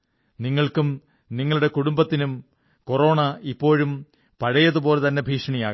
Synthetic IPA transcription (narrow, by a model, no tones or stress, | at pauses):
niŋːɐɭkum | niŋːɐɭuɽe̞kuɽumbɐt̪ːinum | koro̞ːɳɐipːo̞ːɻum | pɐɻɐjɐðupo̞ːlet̪ɐnːe̞bʱiːʂɐɳijaːɣɐ